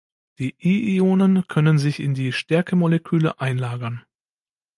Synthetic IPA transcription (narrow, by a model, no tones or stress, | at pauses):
d̥iːʔiʔioːnənkʰœnənzɪçɪ̰ndiːʃtɛɐkʰəmolɛkʰyːləʔaɪnlaːɡɐn